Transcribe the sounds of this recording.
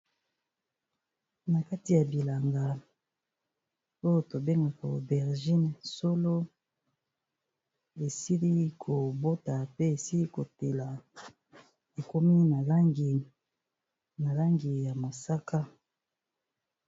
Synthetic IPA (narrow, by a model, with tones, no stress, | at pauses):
na˨ka˦ti˨ja˨bi˨la˨ŋɡa˨ | o˦jo˦to˨be˦ŋɡa˨ka˨o˨bɛ˨ʁʒi˦nso˦lo˦ | e˨si˦li˦kʰo˨bo˦ta˨pe˦e˨si˦li˦ko˨te˨la˨ | e˨ko˦mi˦na˨la˦ŋɡi˨ | na˨la˦ŋɡi˨ja˨ma˨sa˦ka˦